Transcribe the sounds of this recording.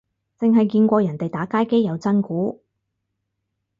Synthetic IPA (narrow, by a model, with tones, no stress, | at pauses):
t͡sɪ˨ŋɦɐ˨jkiː˧nkʷɔː˧jɐ˨˩nt̪e˨jt̪aː˨˥kaː˥jke˥jːɐ˨˧wt͡sɐ˥nkuː˨˥